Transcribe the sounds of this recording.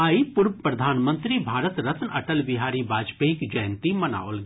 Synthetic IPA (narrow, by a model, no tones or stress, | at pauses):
aːipʊɾʋpɾɐd̪ʱaːnmə̃nt̪ɾibʱaːɾət̪ɾət̪nɐʈəlʋɪɦaːɾibaːd͡ʒpeːɪkd͡ʒɐjə̃nt̪imɐna̰ːolɡ